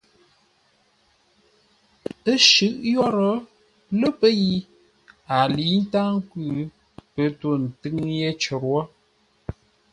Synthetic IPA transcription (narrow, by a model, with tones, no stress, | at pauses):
ə˦ʃʉ˦ʔjɔ˦ɾə˨˦ | lə˦pə˦ji˦ | a˨li˨˦n̩˦ta˦ŋ˦kʉ˦˨ | pə˨to˦n̩˨tɨ˦ŋje˦t͡ʃə˨ɾwɔ˦